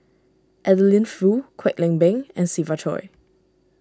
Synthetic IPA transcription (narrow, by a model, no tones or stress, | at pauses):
ʔɛdəlĩnfɹukʰwɛk̚lɛ̃ŋbɛ̃ŋɛ̃nsivatʰɔ̰j